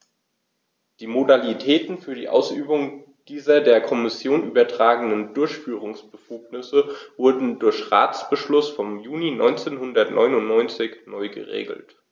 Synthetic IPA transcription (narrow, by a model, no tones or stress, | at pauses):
d̥iːmodalitʰɛːtn̩fyːɐdḭːʔa̰ʊsyːbʊŋ | d̥iːzɐdeːɐkʰɔmɪsjoːnʔyːbɐtʁ̥aːɡŋ̩dəndʊɐçfyːʁ̞ʊŋsb̥əfuːknɪsəvʊɐdn̩dʊɐçʁa̰ːt͡sb̥əʃlʊsfɔmjuːninɔ̰ʏnt͡seːnhʊndɐtnʔɔ̰ʏnʊnnɔʏnt͡sɪçnɔʏɡə̰ʁḛːɡl̩t